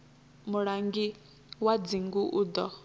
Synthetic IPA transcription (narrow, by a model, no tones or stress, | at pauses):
muɺaŋɡi | wad͡ziŋɡuʔuːd̪ɔ